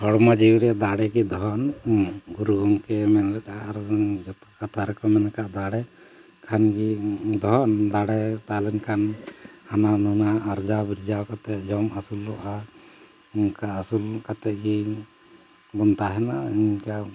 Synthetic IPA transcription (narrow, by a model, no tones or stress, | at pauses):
hɔɽmad͡ʒiɾɛd̪aɽɛɡid̪ɔɦɔnɡuɾuɡɔŋkɛmɛnlɛɗaʔɾd͡ʒɔt̪kat̪ʰaɾɔkɔmɛnakaʔd̪aɽɛ | kʰanɡid̪ɔɦɔnd̪aɽɛt̪alɛnkʰanhananunaːɾd͡ʒabiɾd͡ʒawkat̪ɛʔd͡ʒɔmasulːɔʔa | nkaːsulkat̪ɛʔ̚ɡi | bɔnt̪aɦɛna̰iɲka